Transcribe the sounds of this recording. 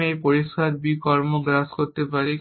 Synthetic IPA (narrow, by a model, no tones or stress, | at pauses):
ejpoɾiʃkʰaɾbikɔɾmoɡɾaskoɾt̪epaɾi